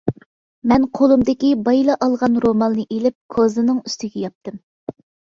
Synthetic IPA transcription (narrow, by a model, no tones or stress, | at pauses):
mɛnqʰolˠumd̪ɪkʲibɑjlˠɑʔɑlˠʁɑnɾomɑnːɨʔelɪp̚kʰozɨnɨŋyst̪ɪɡʲɛjɑp̚t̪ɨm